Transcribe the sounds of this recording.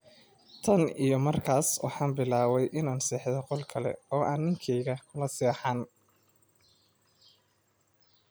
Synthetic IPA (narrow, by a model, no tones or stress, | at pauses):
t̪ʰɐnijɔmɐrkʰaːswɑ̰ħɑːnbɪlaːwɛjʔɪnaːnsiːħðɔqɔlkʰɐlɛ̰ɔːʔaːnːɪŋkʰɛjɣɐkʰʊlɐsɛːħaːn